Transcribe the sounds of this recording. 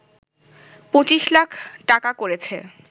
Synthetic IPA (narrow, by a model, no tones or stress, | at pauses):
pot͡ɕiʃlakʰʈakakoɾet͡ɕʰḛ